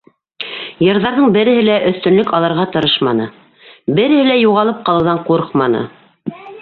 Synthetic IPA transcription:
jɤ̆ɾðɑɾðɤɴbɘ̆ɾɘ̆ɦɘlæʔɵ̆θt̪ɵ̆nlɵkɑlˠɤ̆ɾʁɑt̪ɤ̆ɾɤʃmɑnɤ | bɘ̆ɾɘ̆hɘlæjuʁɑlˠɤp̚qɑlˠɤ̆wðɑɴquɾɤqmɑnɤ̰

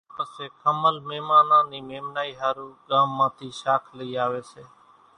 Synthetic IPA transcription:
pəseːkʰəməlmeːmaːnãːniːmeːmnaːiːɦaːɾũːɠãːmːãːt̪ʰiːʃaːkʰləiːaːʋeːseː

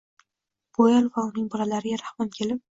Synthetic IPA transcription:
b̥ojalˠvaʊnɪŋbɒlalaɾɪɡʲaɾahmɒnkʲʰe̞lɪp̚

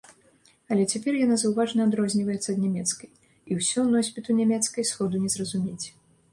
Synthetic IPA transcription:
ɐlʲɛt͡sʲapʲɛrjanazɐwvaʐnɐːd̪ɾɔzʲnʲivɐjɛt̪sːɐd̪nʲamʲɛt̪skɐj | iwsʲɔnɔsʲpʲit̪unʲɛmʲɛt̪skɐjsxɔd̪unʲɛzrɐzumʲet͡sʲ

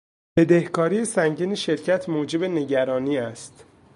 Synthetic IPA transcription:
b̥e̞d̪ehkʰɒːɾiːjesæŋɟiːneʃe̞ɾcʰæt̪ʰmoːd͡ʒe̞be̞ne̞ɟæɾɒːniːæst̪

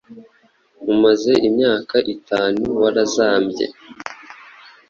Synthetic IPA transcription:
umaze̞ʔimɲaːkaʔitʰaːnuwaɾazaːmbje̞̰

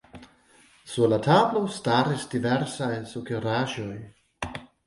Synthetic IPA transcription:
suɾlatablostaɾisdiveɾsajsukoɾaʒoj

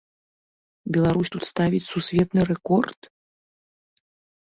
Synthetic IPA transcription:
bʲɛlˠaɾusʲt̪ut̪st̪avʲit͡sʲsusʲvʲɛt̪nɨɾɛkɔrt̪

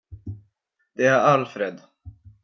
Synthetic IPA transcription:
d̪̥ɛæɾalfɾed̪

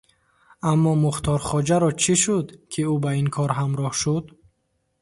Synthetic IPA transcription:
amːɔmuχt̪ʰɔɾχɔd͡ʒaɾɔt͡ʃʰiʃud̪kʰiubaiŋkʰɔɾɦamɾɔhʃud̪

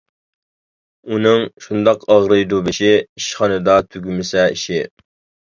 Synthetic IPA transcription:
unɨŋʃund̪ɑqɑʁɾɨjd̪ubɪʃɪiʃχɑnɨd̪ɑt̪ʰyɡʲymɪsɛiʃɪ

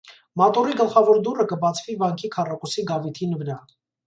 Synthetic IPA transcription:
mɑt̪uriɡəlχɑvɔɾd̪urəkəbɑt͡sʰvivɑŋkʰikʰɑrɑkusiɡɑvit̪ʰinvəɾɑ

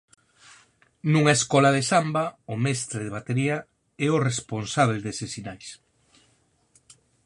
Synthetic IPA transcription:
nuŋaeskɔlaðesambaʊmɛst̪ɾeðeβat̪eɾia | ɛoresponsaβ̞eld̪esesinajs

